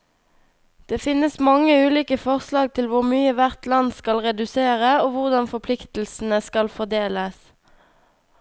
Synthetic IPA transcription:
d̪̥eːfɪnəsmɑŋəʉːliːkəfɔʁslɑːɡ̚t̪ʰɪlʋʊʁmyːəʋæʁt̪lɑnskɑlʁɛd̪ʉseːʁəoːʋʊʁd̪ɑnfɔpʰlɪkt̪l̩sn̩əskɑlfɔd̪eːləs

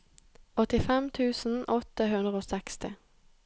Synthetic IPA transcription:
ɔt̪ɪfɛmt̪ʰʉːsn̩ʔɔt̪əɦʉnd̪ʁəoːsɛkst̪ɪ

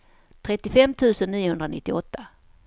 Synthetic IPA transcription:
t̪ʰɾɛt̪ːɪfɛmːt̪ʰʉ̟ːsənːiːʊhɵnd̪ɾanɪ̰t̪ːɪɔt̪ːa

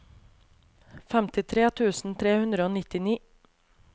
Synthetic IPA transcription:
fɛmt̪ɪt̪ʰɾeːt̪ʰʉːsn̩t̪ʰɾeːhʉnd̪ɾəoːnɪt̪ɪniː

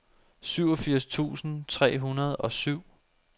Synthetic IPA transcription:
syʊ̰ɒ̽fiɐ̰st͡sʰṵːsn̩t͡sʰʁɛ̰ːɦunɐð̞ˠɒ̽syʊ̰

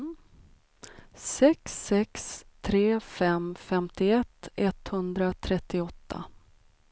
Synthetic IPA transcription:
sɛksːɛkst̪ʰɾeːfɛmfɛmt̪ɪɛt̪ːɛt̪hɵnd̪ɾat̪ʰɾɛt̪ːɪɔt̪ʰːa̰

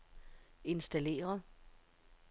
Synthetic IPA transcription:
e̝nsd̥æle̝̰ːɐð

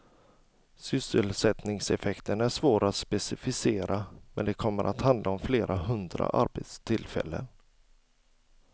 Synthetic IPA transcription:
sʏsəlsɛt̪nɪŋsɛfɛkt̪ʰənæʂvoːɾat̪spɛsɪfɪseːɾamɛnd̪ɛkʰɔmːəɾʔat̪hand̪lʔaɔmfleːɾʔaɦɵnd̪ɾa̰ʔa̰ɾbet̪st̪ʰɪlfɛ̰lːə̰n

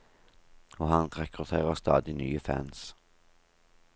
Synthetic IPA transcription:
ɔhɑnɾɛkʰʁʉt̪ʰeːʁəst̪ɑ̰ːd̪ɪnyːəfæ̰ns

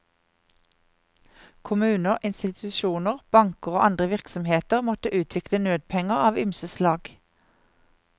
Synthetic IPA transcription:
kʰʊmʉːnəʁʔɪnst̪ɪt̪ʰʉʃuːnəʁb̥ɑŋkəʁoːʔɑnd̪ʁəʋɪʁksɔmheːt̪əʁmɔt̪əʔʉːt̪ʰʋɪklənøːd̪̚pʰɛŋəʁɑːʋʏmsəslɑːɡ̥

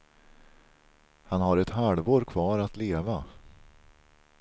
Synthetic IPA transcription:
hanhaɾɛt̪halvoːɾkʰvɑːɾat̪leːva

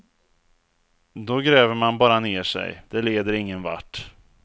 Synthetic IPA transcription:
d̪ɔɡɾɛːvəmanbɑːɾaneːʂɛ̰jd̪̥ɛleːd̪əɾɪŋːənva̰ʈː

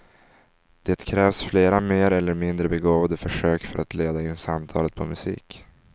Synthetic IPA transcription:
d̪̥eːt̪kʰɾɛːvsfleːɾameːɾɛlːəɾmɪnd̪ɾəbɛɡoːvad̪əfœʂøːkfœɾʔat̪leːd̪aɪnːsamt̪ʰɑ̰ːlət̪̚pʰɔmɵsḭːk

